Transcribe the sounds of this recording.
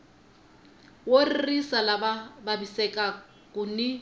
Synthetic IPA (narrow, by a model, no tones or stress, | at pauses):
woririsalabababisɛkʼa | kʊnɪ